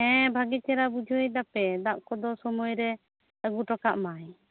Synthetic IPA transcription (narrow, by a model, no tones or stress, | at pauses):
ɛ̃bʱaɡit͡ʃɛɾabud͡ʒʱujd̪apɛd̪aʔkɔd̪ɔsɔmɔjɾɛ | əɡuʈɔkaʔmaj